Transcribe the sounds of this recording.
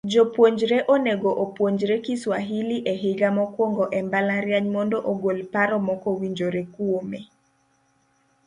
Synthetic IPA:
d͡ʒopwoɲd͡ʒɾeʔoneɡoʔopwoɲd͡ʒɾekiswaɦiliʔeɦɪɡamɔkwɔŋɡɔʔɛmbalaɾjaɲmɔndɔʔoɡolpaɾɔmɔkɔwiɲd͡ʒoɾekwome

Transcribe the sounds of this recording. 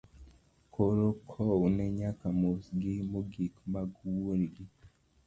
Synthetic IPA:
kʰoɾokʰɔwnɛɲakamosɡɪmoɡikmaɡwonɡɪ

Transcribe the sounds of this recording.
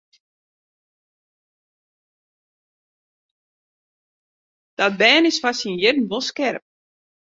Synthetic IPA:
d̥ɔt̚bɛːnɪsfasinjɪdn̩ʋolˠskɛrəp̚

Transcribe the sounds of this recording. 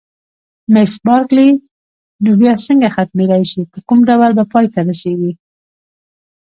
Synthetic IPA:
mɪsbɑɾkli | nobjɑsəŋɡaxat̪med̪ajʃipəkumɖawalbapɑjt̪aɾaseɡi

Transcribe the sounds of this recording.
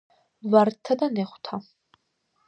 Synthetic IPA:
vart̪ʰad̪aneχʷt̪ʰa

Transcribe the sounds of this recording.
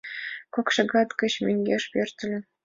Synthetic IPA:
kokʂɤ̆ɡɑt̪kɤ̆ɕmʲeŋʲɡʲeʂpʲerʲt̪ʲɘ̆lʲɘ̆

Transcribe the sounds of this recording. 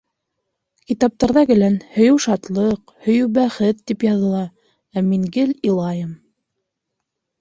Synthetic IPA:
kit̪ɑp̚t̪ɑɾðɑɡɘ̆lænhɵ̆jɘwʃɑt̪lˠɤqhɵ̆jɘwbæχɘt̪ːipjɑðɤ̆lˠɑ | æmiŋɡɘlilˠɑjɤm

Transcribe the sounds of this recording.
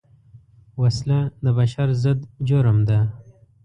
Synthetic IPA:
waslad̪əbaʃaɾzəd̪d͡ʒʊɾəmd̪a

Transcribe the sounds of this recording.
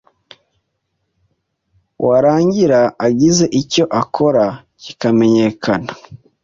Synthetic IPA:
wʔaɾaːɲɟiɾaːɟize̞ʔico̞ʔakʰo̞ɾa | cikame̞ɲe̞kʰana

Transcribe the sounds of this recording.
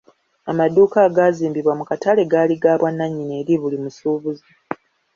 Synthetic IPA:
amaduːkaːɡaːziːmbiβwamukatale̞ɡaːliɡaːβwanːaɲːine̞ːɾiβulimusuːβuzi

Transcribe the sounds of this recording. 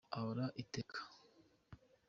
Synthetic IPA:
aβɾaʔitekʰḁ

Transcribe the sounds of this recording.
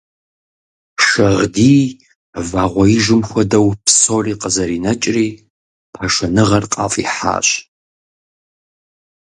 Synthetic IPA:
ʃɐʁdiː | vaːʁʷɔiʒɪmxʷɔdɐwpʰsoːriːqəzɐɾiːnɐt͡ʃʼriː | pʰɐʃɐnɨʁɐrqʼɑ̰ːfʼḭːħa̰ːɕ

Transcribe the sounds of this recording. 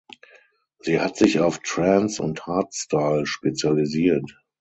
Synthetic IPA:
z̥iːhatz̥ɪçaʊftɹɛ̃nsʊ̰nthaːtstaɪlʃpet͡sjaliziːɐt

